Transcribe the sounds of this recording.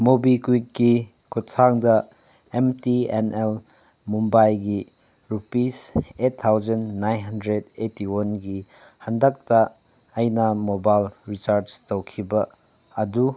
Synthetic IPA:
mobikwid̚ɡi | kuttʰaŋdɐ | emtienel | mumbajɡi | ɾupisetʰːawd͡ʒɐnːajnɦɐndɾedetiwanɡi | hɐndɐk̚tɐː | jnɐmobajlɾit͡ʃaɾstowkʰibɐː | du

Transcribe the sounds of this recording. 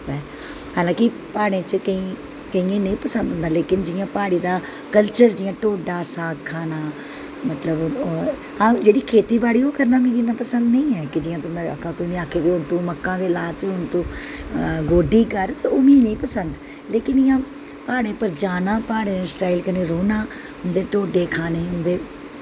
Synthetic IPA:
aɛ | haːlãːkɪ | paːɽ̃ẽːt͡ʃəkəĩː | kəĩːẽːnə̃ĩːpəsə̃nd̪ʱɦʊnd̪aːleːkɪnd͡ʒɪjãːpaːɽ̃iːd̪aː | kəlt͡ʃəɾd͡ʒɪjãːʈoːɖaːsaːɡkʰːaːnaː | mət̪ləb | hãːd͡ʒeːɽiːkʰeːt̪iːbaːɽiːoːkəɾnãːmĩːd͡ʒɪnãːpəsənd̪nə̃ĩːɛːkɪd͡ʒɪjãːt̪ʊmẽə̰kʰãːkoːiːʋĩːaːkʰeːkɪʊnt̪ũːməkːãːd̪eːlaːt̪eːʊnt̪õː | ɡoːɖiːkəɾt̪eːoːmĩːnəĩːpəsənd̪ | leːkɪnɪjãː | paːɽ̃ẽːpəɾd͡ʒaːnãːpaːɽẽːsʈaːilkəneːɾoːnãː | ɦʊnd̪eːʈoːɖeːkʰaːneːɦʊnd̪eː

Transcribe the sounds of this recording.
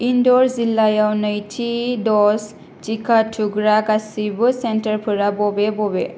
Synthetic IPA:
indɔɹzilajawnajtʰidɔs | tikʰatʰuɡɹakasibɯsɛntəɹpʰɯɹabɔbɛbɔbɛ

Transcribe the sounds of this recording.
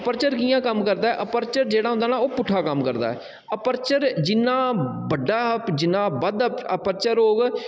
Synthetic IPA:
əpəɾt͡ʃəɾkiːãːkəmkəɾd̪aːɛːʔəpəɾt͡ʃəɾd͡ʒeːɽaːɦʊ̃nd̪aːnaːoːpʊʈʰːaːkəmkəɾd̪a̰ːɛ̰ː | əpəɾt͡ʃəɾd͡ʒɪnãːbəɖːaːpd͡ʒɪnːãːbəd̪əpəɾt͡ʃəɾoːɡ

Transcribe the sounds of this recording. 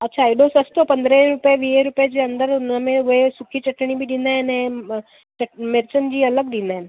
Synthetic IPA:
ətːt͡ɕʰaiɖosəst̪opənd̪ɾeɾupjeʋieɾupjed͡ʑeənd̪əɾnəmeʋoesukʰiːt͡ɕəʈːɳibʱiːd̪ind̪ane | t͡ɕəʈmeɾt͡sənd͡ʑiːələɡd̪ʱind̪an

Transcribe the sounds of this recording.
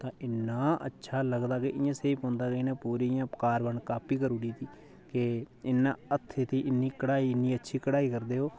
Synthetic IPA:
t̪ãːʔɪnːãːə̰tːʃʰaːləɡd̪aːkeʔɪãːseːiːpõːnd̪aːkeɪnãːpuːɾiːjãːkaːɾbəɳkaːpʰiːkəɾuːɽiːt̪iː | keɪnːã̰ːət̪ʰːeːt̪iːʔɪnːiːkəɽaːiːɪnːiːətːʃʰiːkəɽaːiːkəɾd̪eːɦoː

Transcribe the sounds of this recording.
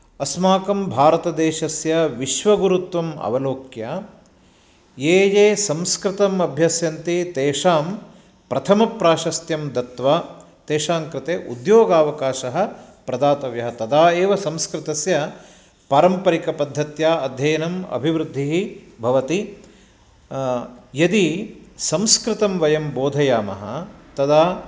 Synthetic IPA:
ɐsmaːkɐmbʱaːɾɐt̪ɐd̪eːʃɐsjɐʋiʃʋɐɡuɾut̪ʋɐmɐ̰ʋɐloːkjaː | jeːjeːsɐmskɾɪt̪ɐmɐbʱjɐsjɐnt̪it̪eːʂaːm | pɾɐt̪ʰɐmɐpɾaːʃɐst̪jɐmd̪ɐt̪ʋa | t̪eːʃaːŋkɾɪt̪eːʔud̪joːɡaːʋɐkaːʃɐɦɐ̆ | pɾɐd̪aːt̪ɐʋjɐɦɐt̪ɐd̪aːeːʋɐsɐmskɾɪt̪ɐsjɐ | paːɾɐmpɐɾikɐpɐd̪ʱːɐt̪jaːɐd̪ʱjɐjɐnɐmɐ̰bʱiʋɾud̪ʱːiɦibʱɐʋɐt̪i | jɐd̪isɐmskɾɪt̪ɐmʋɐjɐmboːd̪ʱɐjaːmɐ̰ɦɐ̰̆t̪ɐd̪aː

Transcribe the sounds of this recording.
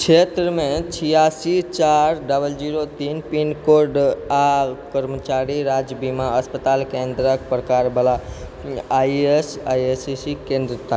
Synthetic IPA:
t͡ʃʰet̪ɾəmẽt͡ʃʰijasit͡ʃaɾɖəbəld͡ʒiɾot̪inpinkoɾɖakəɾmət͡ʃaɾiɾad͡ʒbimaəspət̪alkend̪ɾək̚pɾəkaɾbəla | ajesajesisikẽnd̪ɾət̪ʰa

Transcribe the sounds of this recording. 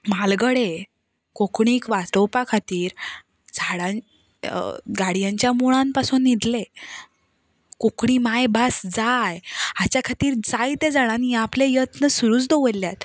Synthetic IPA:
malɡəɽe | kokɳ̃iːkʋasɾəwpakʰat̪iːɾ | d͡zʱaɽa | ɡaɽijãɲt͡ɕjamuɭãnpasuːnːid̪le | kokɳiːmajbasd͡zajat͡ɕjakʰat̪iːɾd͡zajt̪ed͡zaɽaniaplejət̪nəsuɾuːt͡sd̪oʋəlːjat̪

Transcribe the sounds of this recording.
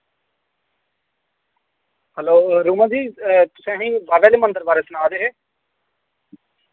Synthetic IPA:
hɛloːɾuːmãːd͡ʒiːt̪ʊsɛ̃ːɦĩːbaːʋeːleːmə̃nd̪əɾbaːɾeːsʊnaːd̪eːɦeː

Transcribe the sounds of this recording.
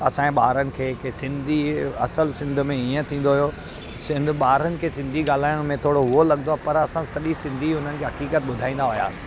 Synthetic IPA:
ɐsãẽɓaːɾənɪ̆kʰeːksɪ̃nd̪ʱiɐ̰səlsɪ̃nd̪ʱmẽiːə̃t̪ʰĩːnd̪oɦʊijo | sɪ̃nd̪ʱɓaːɾənɪ̆kʰeːsɪ̃nd̪ʱiɠaːl̤aːɪʊɽ̃mẽt̪ʰoːɽoɦʊɦolɐɠnoaːpɐɾɐsãsɐɗisɪ̃nd̪ʱiɦʊn̤ənɪkʰeːɦɐkiːkət̪̚ɓʊd̪ʱaːĩːnd̪aɦʊja̰ː

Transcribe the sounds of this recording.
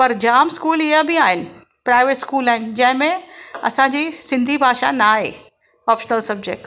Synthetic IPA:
pɐɾd͡ʒaːmskuːliabʱiaːɪn | pɾaːɪʋeʈskuːlɛːnd͡ʒɐɦmẽɐ̰sãd͡ʒisɪ̃nd̪ʱibʱaːʃa̰naːɦeː | ɔːpʃənəlsɐb̚d͡ʒek̚ʈ

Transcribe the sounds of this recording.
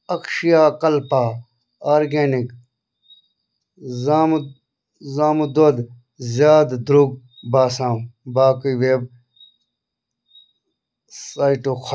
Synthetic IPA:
ɐkʃijaːkɐlpa | aːɾɡeːnik | zaːm | zaːmud̪od̪ | zjaːd̪d̪ɾuɡ̚ | baːsãːwbaːkuiweːb̚ | saːiʈokʰ

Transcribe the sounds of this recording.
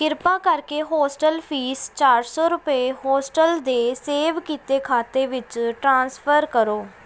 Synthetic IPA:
kɪɾpãːkəɾkeːɦɔːsʈəlpʰiːst͡ʃaːɾsɔːɾʊpəeɦɔːsʈəld̪eːseːʋkiːt̪eːkʰaːt̪eːʋɪt͡ʃʈɾãːnspʰəɾkəɾoː

